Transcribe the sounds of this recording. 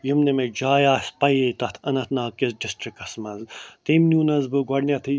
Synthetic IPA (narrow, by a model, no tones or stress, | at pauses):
jimnɐmed͡ʒaːjaːsʲpɐjet̪ɐt̪ʰɐnɐt̪ʰnaːkizɖisʈɾikɐsmɐzt̪emnʲuːnɐzbɨɡɐɽnʲɐt̪ʰɨ